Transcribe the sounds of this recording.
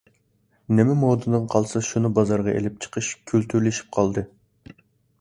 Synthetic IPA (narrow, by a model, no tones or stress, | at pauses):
nɪmɛmoːd̪ɨnɨŋqʰɑlˠsɨʃunɨbɑzɑɾʁɑʔḛlɪp̚t͡ʃʰə̥qʰəʃkʲʰylt̪ʰyɾlɪʃi̥p̚qʰɑlˠd̪ɨ